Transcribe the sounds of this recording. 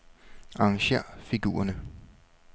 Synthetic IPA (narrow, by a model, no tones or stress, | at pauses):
ɑ̈ɑŋɕeɐ̰fiɡ̥ṵːɐnə